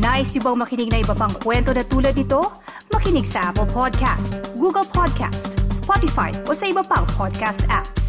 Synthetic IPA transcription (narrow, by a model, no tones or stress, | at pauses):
naːʔɪsjʊbɐŋmɐkɪnɪɡ̚nɐʔɪbɐpɐŋkwɛnt̪o̞nɐt̪uːlɐd̪̚nɪt̪o̞ | mɐkɪnɪɡsɐʔapəlpʰod̪̚kʰa̰st̪ɡuːɡɐlpʰod̪̚kʰa̰st̪spɔt̪ɪfa̰jʔo̞sɐʔɪbɐpɐŋpʰod̪̚kast̪aps